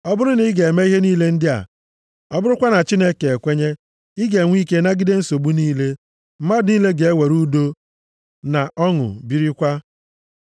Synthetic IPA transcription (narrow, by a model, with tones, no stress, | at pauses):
ɔ˦bʊ˦ɾʊ˦ni˦ɡe˨e˨me˦i˦ɦe˦niː˦le˦n̩˦dɪ˦a̰˨ | ɔ˦bʊ˦ɾʊ˦kʷa˦na˨t͡ʃi˦ne˦ke˨e˨kʷe˦ɲe˦ | ɪ˦ɡe˨ŋʷ˦i˦ke˦na˦ɡɪ˦de˦n̩˦so˨ɡ͡bu˦niː˦le˦ | m̩˦ma˦dniː˦le˦ɡe˨e˦we˨ɾu˦do˦ | na˨ʔɔ˦ŋʊ̰˨bi˦ɾi˦kʷa˦